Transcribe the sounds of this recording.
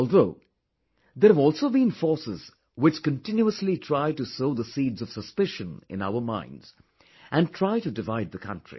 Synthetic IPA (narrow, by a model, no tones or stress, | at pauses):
ɔlˠðoʊ | ðəhævɔlˠsoʊbĩnfɔɹsɪz̥ | wɪt͡ʃkə̃ntɪ̃njuəslitʰɹ̥aɪtɨsoʊðəsiːdzʌv̥səspɪʃə̃nɪ̰̃na̰ʊə˞mã̰ɪ̃ndz̥ | ʔɨ̃ntʰɹ̥aɪtɨdɨvaɪd̪̚ðəkʰʌ̰̃ntɹ̥ḭ